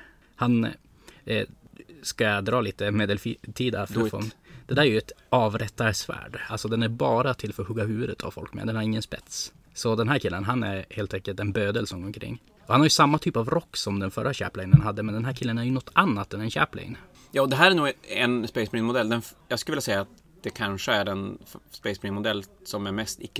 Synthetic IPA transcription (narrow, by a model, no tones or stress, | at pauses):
han | skad̪ɾɑːliːt̪əmeːd̪əlfit̪ʰiːd̪aɾffɔ̰nd̪̥ɛd̪æːɾæjɵɛt̪ɑːvɾɛt̪ːasvæ̰ːɖalsɔd̪ɛnæɾbɑːɾat̪ʰɪlfœɾɔhɵɡːaɦʉ̟ːvʉd̪ət̪ʰa̰vfɔ̰lkːmɛ̰d̪ɛnhaɾɪŋːənspɛ̰t̪s | sɔd̪ɛnɦæːɾkʰɪlːənɦanæɾheːlt̪ɛŋkəlt̪ɛnbøːd̪əlsɔŋɔŋkʰɾɪ̰ŋː | ɔhanhaɾjʉsamːat̪ʰyːpavɾɔkːsɔmd̪ɛnfœ̰ɾːaɕæ̰ːplɛŋnənɦad̪ːəmɛnd̪ɛnɦæːɾkʰɪlːənæɾjɵnɔt̪ːanːat̪ɛnɛnɕæ̰ːplɪ̰ŋn | jɑːd̪ɛɦæːɾæɳuːɡɛnspɛɪsmnɪnmʊd̪ɛlːd̪ɛnjɑːɡskɵlvɪlːasɛjːaːt̪̚ | d̪̥ɛkʰanʂəæɾɛnspɛɪsmɪnmʊd̪ɛlːsɔmæɾmɛst̪ɪkːə